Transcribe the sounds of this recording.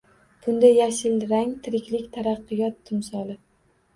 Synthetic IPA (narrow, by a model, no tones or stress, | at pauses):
b̥ʊnd̪ajaʃɪlɾaŋt̪ʰɪɾɪkʲlɪkʲt̪ʰaɾɑqːɨjɒt̪ʰːɪmsɒlˠɪ